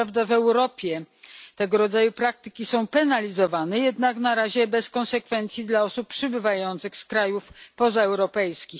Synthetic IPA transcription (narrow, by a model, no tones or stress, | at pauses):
avd̪avɛwɾɔpʲjɛt̪ɛɡɔɾɔd̪zajupɾak̚t̪ɘ̥kʲisɔ̃w̃pɛnalʲizɔvanɛjɛd̪naknaɾaʑɛbɛskɔnsɛkfɛnt̪sʲjid̪laɔsuppʂɘbɘvajɔnt̪sɘxskɾajufpɔzaɛwɾɔpɛjskʲix